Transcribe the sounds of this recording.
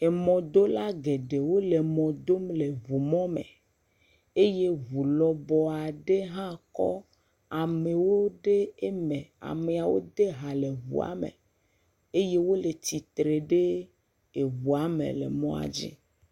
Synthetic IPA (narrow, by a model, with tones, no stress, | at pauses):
e˨mɔ̃˨d̪o˦la˦ɡe˨ɖe˨wo˦le˨mɔ̃˨d̪o˦mle˨vu˨mɔ̃˦mḛ˨ | e˦je˦βu˨lɔ˨bɔ˨a˨ɖe˦ɦã˦kɔ̰˦ | a˨me˨wo˦ɖe˦e˦mẽ˨a̰˨me˨a˨wo̰˦d̪e˦ɦa˨le˨vṵ˨a̰˨˦mḛ̃˨ | e˦je˦wo˦le˨t̪i˨t̪ɾe˨ɖe˦ | e˨vu˨a˨mḛ̃˨lḛ˨mɔ̰̃˦a̰˨d͡ʑḭ˦